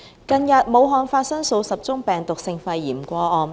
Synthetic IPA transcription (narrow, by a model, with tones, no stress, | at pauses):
kɐ˧njɐ˨t̚mo˨˧wɦɔː˨˧nfaː˧t̚sɐ˥ŋso˨˧wsɐ˨p̚t͡sʊ˥ŋpɛː˨ŋt̪ʊ˨k̚sɪ˧ŋfɐ˧jːiː˨˩mkʷɔː˧ɔː˨˧n